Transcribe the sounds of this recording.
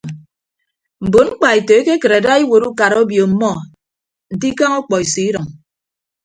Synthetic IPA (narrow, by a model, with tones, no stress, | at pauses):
m̩˨bo˨ŋ͡m̩˦k͡pa˨e˨to˨e˦ke˦kɨ˨ɾe˨da˦i˦wo˨ɾu˦ka˨ɾo˦bjo˨m̩˨mɔ˦ | n̩˨di˦ka˦ŋɔ˦k͡pɔ˨i˨si˨i˦ɾɔ˨ŋ